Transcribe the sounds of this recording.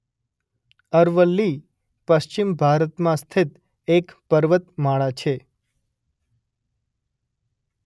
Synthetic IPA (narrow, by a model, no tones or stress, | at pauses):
əɾʋəlːi | pəʃt͡ʃimbʱaɾət̪mãst̪ʰit̪ | ekpəɾʋət̪maɭat͡ʃʰe